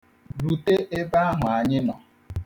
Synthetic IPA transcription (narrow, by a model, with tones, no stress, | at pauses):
ɾu˨te˦ʔɪ˦ba˦a˦ɦʊ˨a˨ɲɪ˦nɔ˨